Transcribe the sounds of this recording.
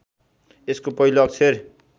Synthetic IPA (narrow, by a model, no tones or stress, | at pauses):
eskopʌɦiloʌk̚t͡sʰer